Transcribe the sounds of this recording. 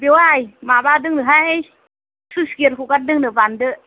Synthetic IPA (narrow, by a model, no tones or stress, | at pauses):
bewajmabadɯŋnɯɦae | suskeɾkukat̚dɯŋnɯbandɯ